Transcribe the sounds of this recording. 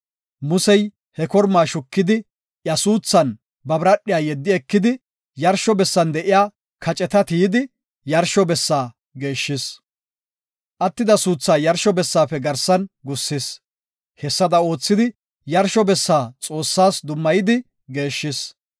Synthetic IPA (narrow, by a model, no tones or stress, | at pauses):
mʊsɛj | hɛkɔɾmaːʃʊkːɪd̪ɪ | ʔjɐsuːt͡sːɐn | bɐbɾɐɗːɪjaːjɛd̪ːɪɛkːɪd̪ɪ | jɐɾʃɔbɛsːɐnd̪ɛʔɪjaː | kʰɐt͡ʃʼɛt̪ɐt̪iːd̪ɪ | jɐɾʃɔbɛsːaː | ɡe̞ːʃːɪs | ʔɐt̪ːɪd̪ɐsuːt͡sːaːjɐɾʃɔbɛsːaːpɛɡɐɾsɐnɡʊsːɪs | hɛsːɐd̪ɐo̞ːt͡sːɪd̪ɪ | jɐɾʃɔbɛsːaːt͡sʼo̞ːsːaːsd̪ʊmːɐjɪd̪ɪ | ɡe̞ːʃːɪs